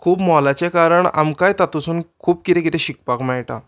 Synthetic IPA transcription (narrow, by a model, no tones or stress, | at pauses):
kʰuːbmɔlat͡ɕekaɾəɳa̰mkajt̪at̪usuːnkʰuːb̚kit̪ʰẽkit̪ʰɛ̃ɕikpakmɛ̃ʈã̰